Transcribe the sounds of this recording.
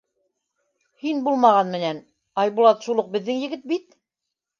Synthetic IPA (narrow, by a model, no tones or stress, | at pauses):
hinbulˠmɑʁɑnmɘ̆næn | ɑjβulˠɑt̪ʃulˠɤq̚bɘ̆ðːɘŋjɘ̆ɡɘt̪̚bit̪̚